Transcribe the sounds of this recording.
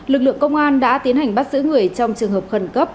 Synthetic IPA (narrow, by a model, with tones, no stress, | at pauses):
lɨ˨˩k̚lɨ̰˧˨əkə˧wŋ͡mʔaː˧nɗa̰ː˧˥t̪i˨˦ənha˨˩jŋ̟ɓa˦˥t̚zɨ̰˧˥ŋɨ˨˩əjt͡ɕɔ˧wŋ͡mt͡ɕɨ˨˩əŋhəː˨˩p̚xə˨˩nkə˦˥p̚